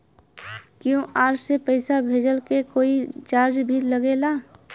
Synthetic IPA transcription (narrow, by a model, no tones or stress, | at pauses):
kjõʔaːɾsepəɪsabʱeːd͡ʒəlkekoːit͡ʃaːɾd͡ʒbʱiləɡeːlaː